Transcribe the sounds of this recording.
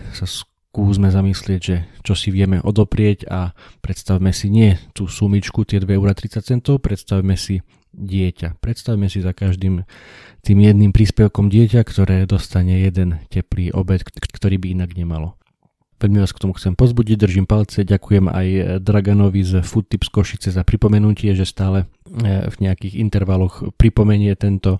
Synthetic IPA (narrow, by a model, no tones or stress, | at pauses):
sas | kuːzmɛzamislɪɛɟʒɛt͡ʃɔsiʋɪɛmɛʔɔd̪ɔpɾɪɛɟapɾɛt̪st̪awmɛsiɲɪɛt̪uːsumit͡ʃkut̪ɪɛd̪ʋɛɛʊɾat̪ɾitt͡sac̚t͡sɛnt̪ɔʊpɾɛt̪st̪awmɛsi | ɟɪɛcapɾɛt̪st̪awmɛsizakaʒd̪iːm | t̪iːmjɛd̪̚nimpɾiːspɛʊkɔmɟɪɛcakt̪ɔɾɛːd̪ɔst̪aɲɛjɛd̪ɛncɛpliːʔɔ̰bɛt̪kt̪ɔɾiːbiinaɡɲɛmalɔ | ʋɛlmiʋaːskt̪ɔmuxtt͡sɛmpɔzbuɟiɟ̚d̪r̩ʒimpalt͡sɛɟakujɛma̰jd̪ɾaɡanɔʋizfut̪ːipskɔʃit͡sɛzapɾipɔmɛnucɪɛʒɛst̪aːlɛ | vɲɛakiːɣḭnt̪ɛɾʋalɔxpɾipɔmɛɲɪɛt̪ɛnt̪ɔ